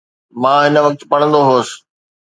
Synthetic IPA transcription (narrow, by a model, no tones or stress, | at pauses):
mãːɦɪnəʋɐk̚t̪pɐɽ̃ə̃nd̪oɦoːsɪ̥̆